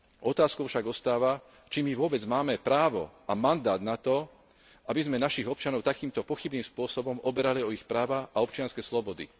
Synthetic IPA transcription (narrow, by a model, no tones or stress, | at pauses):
ɔt̪aːskɔʊfʃaɡɔst̪aːʋa | t͡ʃimiʋʊɔbɛd͡zmaːmɛpɾaːʋɔ̰ʔamand̪aːd̪nat̪ɔ | ʔabizmɛnaʃiɣɔp̚t͡ʃanɔʊt̪akiːmt̪ɔpɔxibniːmspʊɔsɔbɔmɔbɛɾaliɔixpɾaːʋaaɔpt͡ʃɪanskɛslɔbɔd̪ḭ